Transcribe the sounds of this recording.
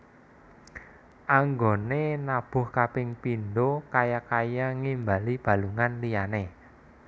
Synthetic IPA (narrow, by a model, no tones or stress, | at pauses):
ʔaŋɡonenab̥ʊ̤hkapɪŋpinɖokajakajaŋimba̤lib̥ä̤luŋanlijane